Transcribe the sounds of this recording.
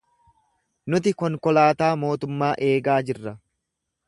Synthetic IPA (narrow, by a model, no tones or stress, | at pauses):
nʊt̪ɪkɔŋkɔlaːt̪aːmo̞ːt̪ʊmːaːʔe̞ːɡaːd͡ʒɪrːɐ